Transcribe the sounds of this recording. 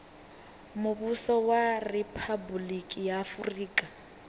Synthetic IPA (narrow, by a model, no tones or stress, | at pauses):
mʊbusɔwarɛpʰabulikʼijaːfuriːkʼa